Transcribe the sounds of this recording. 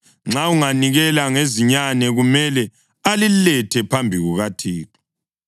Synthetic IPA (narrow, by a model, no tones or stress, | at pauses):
ŋ͡ǁauŋaniɣɛlaŋeziɲanɛɣumɛlɛ | alilɛtʰɛpʰambʱiɣuɣatʰiːtʰɔ̥